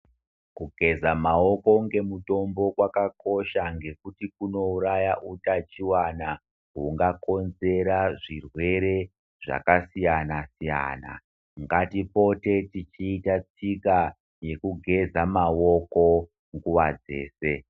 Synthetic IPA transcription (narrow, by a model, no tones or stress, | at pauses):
kuɡʱe̞zamao̞ko̞ŋɡe̞muto̞mbo̞kwakako̞ʃaŋɡe̞kutikuno̞uɾajaʔutat͡ʃiwana | ɦuŋɡako̞nze̞ɾaʐirwe̞ɾe̞ | ʐa̰kasijanasija̰ːna̰ | ŋɡatipo̞te̞tit͡ʃiːtat͡sika | je̞kuɡʱe̞zamawo̞ko̞ | ŋɡuʋad͡ze̞̰ːse̞